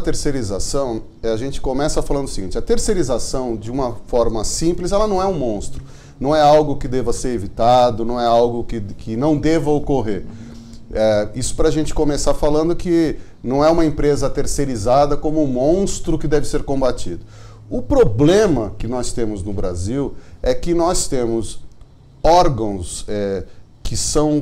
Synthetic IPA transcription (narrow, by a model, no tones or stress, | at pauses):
ɐt̪eɾseɾizasɐ̃w̃ | ɛaʒẽnt͡ʃɪ̥kõmɛsɐfalɐ̃nd̪ʊɐsiɡĩnt͡ʃɪɐt̪eɾseɾizasɐ̃w̃d͡ʒɪũmɐfɔɾmɐsĩplɪzɛlɐnɐ̃w̃ɛũmõst̪ɾʊ | nɐ̃w̃ɛawɡʊkɪd̪evɐseɾevit̪ad̪ʊnɐ̃w̃ɛawɡʊkɪkɪnɐ̃w̃d̪evɐokoɦeɾ | ɛisʊ̥pɾɐaːʒẽnt͡ʃɪ̥komesafalɐ̃nd̪ʊkɪ | nɐ̃w̃ɛũmɐẽpɾezɐt̪eɾseɾizad̪ɐkõmʊũmõw̃st̪ɾʊkɪd̪ɛvɪseɾkõbat͡ʃid̪ʊ | ʊpɾoblẽmɐkɪnɔst̪ẽmʊznʊbɾa̰ziwɛkɪnɔst̪ẽmʊs | ɔɾɡɐ̃w̃sɛ | kɪsɐ̃w̃